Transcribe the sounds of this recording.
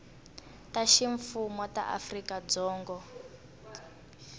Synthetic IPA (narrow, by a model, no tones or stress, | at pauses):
taʃiɱfumɔta̰ʔa̰frikad͡zɔːŋɡɔ